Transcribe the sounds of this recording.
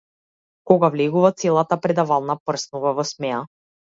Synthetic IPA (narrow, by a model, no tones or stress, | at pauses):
kɔɡavlɛɡuvat̪sɛlˠat̪apɾɛd̪avalˠnapr̩snuvavɔsmɛa